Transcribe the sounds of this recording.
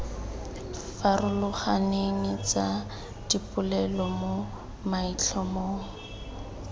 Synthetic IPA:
farʊlʊχaneŋɪt͡sa | d̥ipʼʊlɛlɔmo | mait͡ɬʰɔmoŋ̩

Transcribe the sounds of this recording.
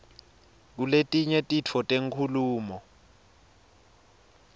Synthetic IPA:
k̬uletʼiɲɛtʼit͡fʰɔtʼeŋkʰuluːmɔ

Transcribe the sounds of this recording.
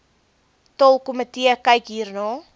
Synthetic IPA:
tɔlˠkomətiəkɐjkɦiːrnɑː

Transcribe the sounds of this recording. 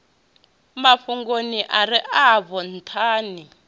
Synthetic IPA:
maɸuŋɡoniʔaɾiʔaβɔn̩tʰaːni

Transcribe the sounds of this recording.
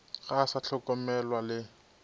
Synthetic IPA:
ɣasaɬʰɔkɔmɛlwalɪ

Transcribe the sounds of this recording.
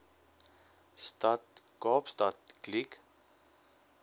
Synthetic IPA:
st̪at̪kɑːpst̪at̪klik

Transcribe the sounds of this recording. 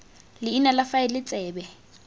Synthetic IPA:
lɪinɛlafaɪlɪt͡sʼɛːbɛ

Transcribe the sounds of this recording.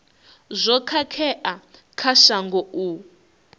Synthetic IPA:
zʷɔkʰakʰɛʔa | kʰaʃaŋɡɔʔu

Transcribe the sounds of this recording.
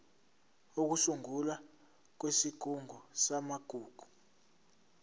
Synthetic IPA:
uk̬usuŋula | k̬wesiɡ̥ʱuŋʱɔsamaɡ̥ʱuːɡ̥ʱu̥

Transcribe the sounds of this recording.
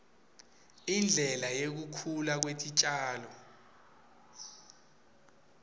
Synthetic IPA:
ind͡ɮʱɛlajek̬ukʰulak̬wetʼit͡ʃʼaːlɔ

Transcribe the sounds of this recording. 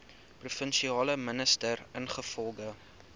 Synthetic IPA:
prufənʃiɑːləmənəstərənχəfɔlˠɡə

